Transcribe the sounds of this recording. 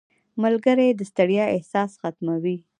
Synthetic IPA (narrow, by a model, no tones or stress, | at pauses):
mʊlɡəɾed̪əst̪aɽjɑɪhsɑsxat̪mawi